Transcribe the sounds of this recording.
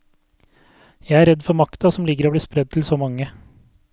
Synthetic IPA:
jæɪæɾɛd̪fɔɾmɑkt̪ɑsɔmlɪɡəɾoːbliːspɾɛd̪̚t̪ʰl̩soːmɑŋːə

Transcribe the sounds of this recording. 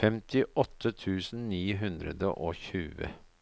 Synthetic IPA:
fɛmt̪ʰɪʔɔt̪ʰːət̪ʰʉːsn̩niːɦʉnd̪ɾə̰d̪ə̰ʔoːçʉːə̰

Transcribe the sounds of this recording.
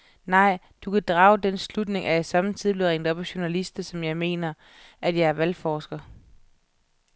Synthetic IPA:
nɑ̈ɪ̰ | d̥ukʰæd̥ʁɑ̈ːʊd̥enslud̥ne̝ŋʔæjæsɑ̈mn̩t͡sʰið̰b̥leðˠʁɛnd̥ɒ̽b̥æɕonælisd̥ɐsɒ̽mjɑ̈ɪme̝̰ːnɐ | ʔæd̥jɑ̈ɪæɐʋælfɒːsɡ̥ɐ

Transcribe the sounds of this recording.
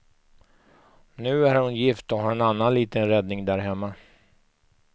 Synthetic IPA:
nʉ̟ːæɾhʊnjɪft̪ɔɦaɾɛnanːanliːt̪ənɾɛd̪nɪŋd̪æɾɦɛmːa

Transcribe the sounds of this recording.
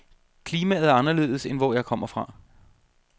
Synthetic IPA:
kʰliːmɛ̰ð̞̩ˠæɐɑnɐle̝̰ːð̩ˠəsenʋɒjɑ̈ɪkʰɒ̽m̰ɐfʁɑ̈

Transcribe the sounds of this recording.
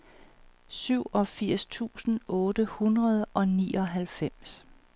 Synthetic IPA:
syʊ̰ɒ̽fiɐ̰st͡sʰṵːsn̩ɔ̽ːdəhunʁɐð̞ˠʔɒ̽nḭːɒ̽ɦælfem̰s

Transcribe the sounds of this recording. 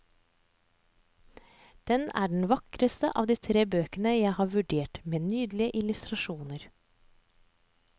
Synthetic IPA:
d̪̥ɛnæ̰ːɖɳ̩ʋɑkɾəst̪ə̰ʔɑ̰ʋd̪iːt̪ʰɾeːbøːkənəjæɪhɑːɾʋʉɖeːʈmeːnyːd̪lɪəʔɪlʉst̪ɾɑʃuːnəɾ

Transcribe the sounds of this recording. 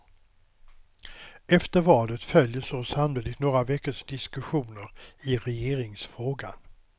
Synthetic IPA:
ɛft̪əɾvɑːlət̪fœljəsosamliːd̪ɪɡt̪noːɾavɛkːəʂd̪ɪskɵɧuːnəɾɪɾɛjeːɾɪŋsfɾoːɡa̰n

